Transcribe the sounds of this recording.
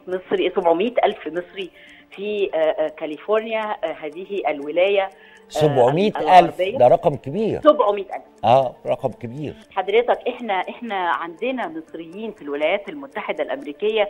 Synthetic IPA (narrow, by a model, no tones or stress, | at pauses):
mesˤɾisobʕomiːt̪ʔælfmesˤɾi | fikælifoɾˤnjæɦæːðihiʔælwɪlæːjæ | sobʕomiːt̪ælʔæɑlˤfbejːæd̪æɾˤɑqmkebiːɾsobʕomiːt̪ʔælfʔæːɾˤɑqɑmkebiːɾħɑd̪ɾet̪ækʔeħnæʔeħnæʕand̪enæmɨsˤɾɪjːiːnfilwelæjæːt̪ælmʊt̪ːaħed̪ælʔæmɾiːkejːæ